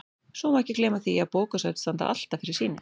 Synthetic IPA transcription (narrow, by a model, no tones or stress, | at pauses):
sɔmaɛhcːɪkleːjmaθiaðpoːwkasœɥt̪st̪ant̪a̰ʔa̰l̥t̪afɪɾɪɾ̥siːnɪ